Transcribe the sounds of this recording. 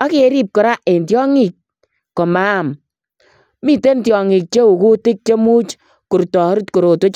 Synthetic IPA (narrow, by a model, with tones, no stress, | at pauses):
a˦ki˦e˦ɾi˦p̚kɔ˨ɾa˦ʔe˨ntjɔ˦ŋi˨k̚ | kːɔ˨ma˦˨m | mi˦te˦ntjɔ˨ŋi˨k̚t͡ʃe˦u˨ku˦tɪ˦k̚t͡ʃe˦mu˦t͡ʃ | ku˨ɾtɔ˨˦ɾtko˨ɾo˨to˦t͡ʃ